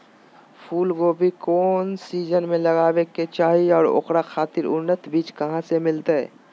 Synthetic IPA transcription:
pʰuːlɡoːbʱikɔːnsiːd͡ʒənmẽləɡaːweket͡ʃaːɦiɔːɾo̰ːkɾakʰaːt̪ɪɾʊ̰nːət̪biːt͡ʃkəɦãsemɪlt̪eɛ̰ː

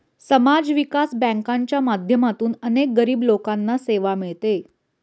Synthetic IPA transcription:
səmad͡zʋikasbɛ̃ŋkaɲt͡ɕjamad̪ʱjəmat̪uːnənek̚ɡəɾiːblokanːaseʋamiɭt̪e

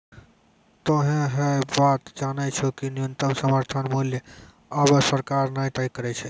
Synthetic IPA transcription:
t̪oɦẽɦəbat̪d͡ʒanɛt͡ʃʰukinijunt̪əmsəməɾt̪ʰənmuljə | abəsəɾkaɾnajt̪əkəɾɛt͡ʃʰɛ

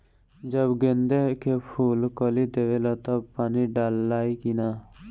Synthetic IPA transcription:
d͡ʒəbɡend̪ekʰepʰuːlkɔlid̪eːʋelat̪əb̚paːniɖaːlːaːikinaː

